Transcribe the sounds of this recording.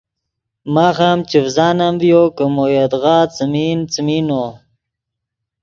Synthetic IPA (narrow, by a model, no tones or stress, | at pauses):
maːxamt͡ʃivzaːnambjokəmojad̪ɣaːt͡səmint͡simino